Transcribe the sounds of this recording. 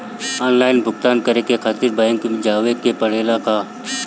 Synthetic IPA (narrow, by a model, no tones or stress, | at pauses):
ɔːnlaːɪnbʱʊk̚t̪aːnkɐɾekekʰaːt̪ɪɾbajə̃ŋkimd͡ʒaːʋekepɐɽ̤eːlaka